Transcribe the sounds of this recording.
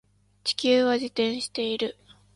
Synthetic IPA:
t͡ɕi̥kʲɨːβad͡ʑit̪ẽ̞ɰ̃ɕi̥t̪e̞iɾɯ̟

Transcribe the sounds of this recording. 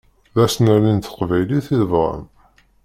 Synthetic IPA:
ðæsnæɾint̪ə̥qvæjliθiðəvʁə̰m

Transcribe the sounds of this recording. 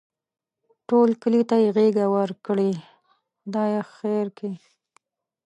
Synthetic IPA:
ʈolkəlit̪ajeɣeɡawəɾkɽe | d̪ɑjexeɾke

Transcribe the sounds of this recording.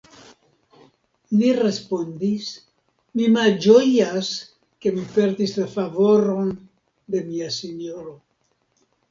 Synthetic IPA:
lire̞spo̞ndis | mimald͡ʒo̞jas | ke̞mipe̞ɾdislafavo̞ɾo̞n | de̞miasenjo̞ɾo̞

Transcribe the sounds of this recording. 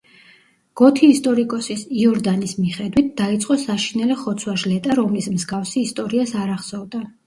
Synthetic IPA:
ɡ̥ɔt̪ʰiːst̪ʼɔɾikʼɔsisiɔɾd̪anismiχɛd̪wit̪̚ʰd̪̥ait̪sʼqʼɔsaʃinɛlɛχɔt̪sʰwaʒlɛt̪ʼaɾɔmlismzɡafsiːst̪ʼɔɾiasaɾaχsɔvd̪a

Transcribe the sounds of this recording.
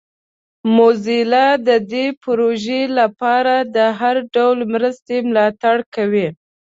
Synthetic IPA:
mozilad̪əd̪epɾoʒelapɑɾad̪əɦaɾɖawlmɾəst̪emlɑt̪aɽkawi

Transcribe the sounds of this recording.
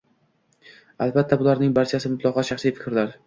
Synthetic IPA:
albat̪ʰːabʊlaɾnɪŋbaɾt͡ʃʰasɪmʊt̪ʰlˠɒqʰɒʃaχsijfɪ̥kʲʰɾlaɾ

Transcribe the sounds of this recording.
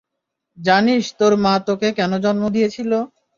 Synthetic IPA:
d͡ʑaniʃt̪oɾmãt̪okekɛnod͡ʑɔnmod̪ijet͡ɕʰilo

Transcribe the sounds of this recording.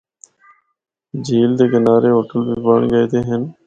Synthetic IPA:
d͡ʒiːld̪eːkɪnaːɾeːɦoːʈəlbiːbəɳɡəeːt̪eːɦən

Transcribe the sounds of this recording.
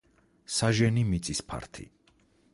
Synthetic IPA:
saʒɛnimit̪sʼispʰa̰ɾt̪ʰḭ

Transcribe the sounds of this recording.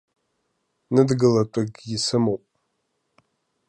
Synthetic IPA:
nɨdɡɨlɐtʷʼɐɡjɪsɨmɐwpʼ

